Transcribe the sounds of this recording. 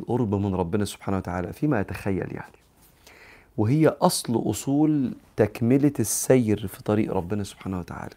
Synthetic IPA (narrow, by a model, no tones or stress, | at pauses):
ʔoɾbmɪnɾˤɑbːɪnæsʊ̥b̥ħaːnæwæt̪aʕa̰ːlæ̰fiːmæʔæt̪æxæjːæ̰lja̰ʕni | wɪɦɪjːæʔɑsˤlʔo̰sˤuːlt̪ækmɪlɪsːæjɾfi̥t̪ˤɑɾḭːʔɾˤɑbːɪnæsʊ̥b̥ħaːnæhwet̪aʕa̰ːlæ